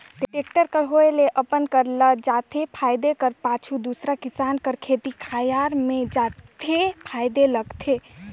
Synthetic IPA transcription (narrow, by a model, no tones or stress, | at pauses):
ɖiʈek̚ʈəɾkəɾɦoeleʔəpənkəɾləd͡ʒat̪ʰepʰajd̪ekəɾpat͡ʃʰud̪usɾakisankəɾkʰet̪ikʰajaɾmẽd͡ʒat̪ʰepʰajd̪eləɡt̪ʰe